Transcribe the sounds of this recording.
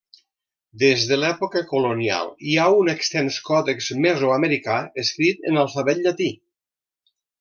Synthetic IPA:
d̪ezðəlɛpokəkulonia̰lˠiaunekst̪ɛnskɔðekzmezuaməɾikaəskɾit̪ə̰nalˠfaβɛt̪ʎat̪i

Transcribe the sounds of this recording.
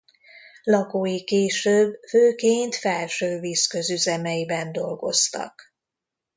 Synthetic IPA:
lɒkoːjikeːʃøbːføːkeːnt̪fɛlʃøːviːskø̞zyzɛmɛjibɛnd̪o̞lɡo̞̰st̪ɒ̰k

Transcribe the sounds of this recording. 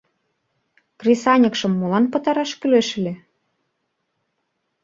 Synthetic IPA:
krʲisɑnʲɤ̆kʃɤ̆mːolɑnpɤ̆t̪ɑɾɑʃkyleʃɘle

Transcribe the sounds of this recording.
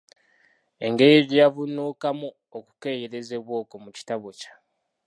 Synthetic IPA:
e̞ŋɡe̞jeβijavunuːkamu | oku̥ke̞jeɾe̞ze̞βwo̞ːko̞muci̥taβo̞cḁ

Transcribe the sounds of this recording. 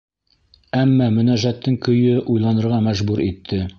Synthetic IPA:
æmːɑmɘ̆næʒæt̪ːɘŋkɵ̆jɵʔujlˠɑnɤ̆ɾʁɑmæʒbuɾit̪ʰːɘ

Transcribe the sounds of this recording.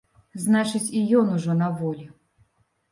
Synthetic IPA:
znat͡ʂɨt͡sʲijɔnuʐɔnɐvɔlʲi

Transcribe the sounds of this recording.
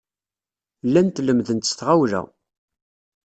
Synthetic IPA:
lːænt̪ləmðənt̪ə̥sθʁawlæ̰

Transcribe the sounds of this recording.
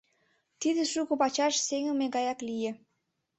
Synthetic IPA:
t̪id̪ĕʃukopɑt͡ɕɑʃseŋənmeɣɑjɑklije

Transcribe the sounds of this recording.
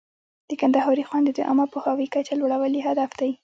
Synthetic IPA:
d̪̥əkand̪ahɑɾixwand̪ed̪əʔa̰mapəhɑwikat͡ʃalwaɽawəljeɦad̪afd̪̥aj

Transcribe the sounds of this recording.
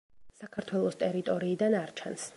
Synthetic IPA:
sakʰaɾt̪ʰwɛlˠɔst̪ʼɛɾit̪ʼɔɾiːd̪anaɾt͡ʃʰans

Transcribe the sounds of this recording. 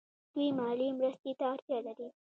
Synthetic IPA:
d̪̥ujmɑlimɾəst̪et̪aːɾt̪jɑlaɾi

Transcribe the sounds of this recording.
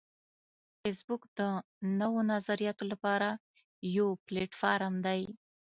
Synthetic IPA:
fesbʊkd̪ə | nəwonazaɾijɑt̪olapɑɾa | jopleʈfɑɾamd̪aj

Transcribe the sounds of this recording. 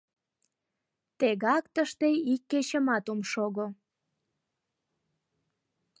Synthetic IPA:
t̪eɣɑkt̪əʃt̪eikːet͡ɕəmɑt̪umʃoɣo

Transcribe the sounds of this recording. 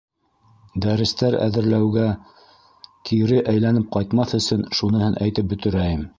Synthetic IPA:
d̪æɾɘ̆st̪æɾæ̰ðɘ̆ɾlæwɡæ | kʰiɾɘʔæjlænɘp̚qɑjt̪mɑθɵ̆sɘnʃunɤ̆hɤnʔæjt̪ɘp̚bɵ̆t̪ɵ̆ɾæjɘm

